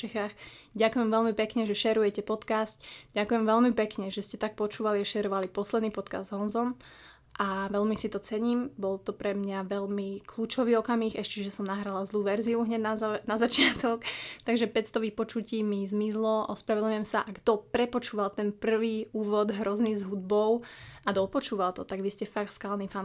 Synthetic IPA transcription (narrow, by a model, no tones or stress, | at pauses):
t͡ʃɛxaːxɟakujɛmʋɛlmipɛkɲɛʒɛʃɛɾujɛcɛpɔt̪kast̪ɟakujɛmʋɛlmipɛkɲɛʒɛscɛt̪ak̚pɔt͡ʃuːʋaliaʃɛɾɔʋalipɔslɛd̪nipɔt̪ka̰zd̪zɦɔnzɔm | ʔaʋɛʎmisit̪ɔt͡sɛɲiːmbɔlt̪ɔpɾɛmɲaʋɛʎmikluːt͡ʃɔʋiːɔkamiːxɛʃcɛʒɛsɔmnaɦɾalazlˠuːʋɛɾziuɦɲɛd̪nanazat͡ʃɪat̪ɔkt̪aɡʒɛpɛcst̪ɔʋipɔt͡ʃuciːmizmizlɔʔɔspɾaʋɛd̪ɲujɛmsaʔaɡd̪ɔpɾɛpɔt͡ʃuːʋalt̪ɛnpr̩ʋiːuːʋɔd̪ɦɾɔzniːzɦud̪̚bɔʊad̪ɔpɔt͡ʃuːʋalt̪ɔt̪aɡʋiscɛfak̚t̪skaːlnifan